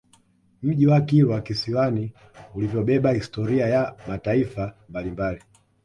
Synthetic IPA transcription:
m̩ʄiwakiɾwakisiwani | ulivjɔɓɛɓahistɔɾiajamataifambalimbali

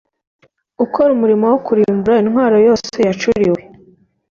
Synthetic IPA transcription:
ukʰoɾumuɾimowokuɾiːmbuɾainhwaːɾo̞jo̞ːse̞jat͡ʃuɾiwe

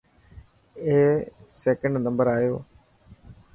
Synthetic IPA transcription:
eːsɛːkəɳɖnəmbəɾaːjoː

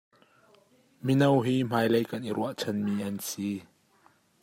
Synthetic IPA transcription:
minɐwɦiːm̥aːjlejkɐnʔiɾuɐʔt͡sʰɐnmiːʔɐnsi

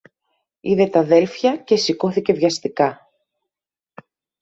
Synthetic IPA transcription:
iðe̞t̪ɐðe̞lfçɐce̞siko̞θice̞vʝɐst̪ikɐ

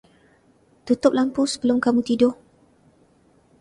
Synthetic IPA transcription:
t̪ut̪ʊp̚lampusə̥bəlʊmkamũt̪idʊ

